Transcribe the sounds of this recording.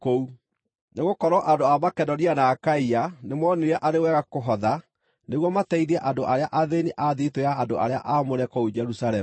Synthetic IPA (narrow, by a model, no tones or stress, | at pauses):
kou | neɣokɔɾɔʔandoamakɛdɔnianaːkaianemwɔneɾɛʔaɾewɛːɣakoɦɔða | neɣwɔmatɛiɾiɛʔandoʔaɾeaʔaðeniʔaðitoaːndoʔa̰ɾea̰ʔamoɾɛkɔud͡ʒɛɾusalɛm